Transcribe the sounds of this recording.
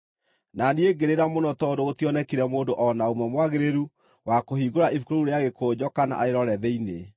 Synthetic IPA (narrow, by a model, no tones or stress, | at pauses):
nanieɡeɾeɾamonɔtɔdoɣotiɔnɛkiɾɛmoːdoʔɔnaomɛmwaɣeɾeɾu | wakoɦiɡoɾaifukoɾouɾeaɣekoːd͡ʑɔkana̰aeɾɔɾɛðɛine